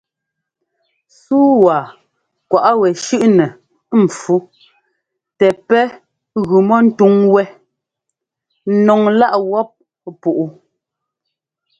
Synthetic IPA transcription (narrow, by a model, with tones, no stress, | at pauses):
suː˦wa˨ | kwa˨ʔa˦wɛ˨ʃʉ˦ʔnɛ˨ | m̩˨fu˦ | tɛ˨pɛ˦ | ɣʉ˨mɔ˦n̩˦tu˦ŋwɛ˦ | nɔ˨ŋla˦ʔwɔ˦p̚ | pu˨ʔu˦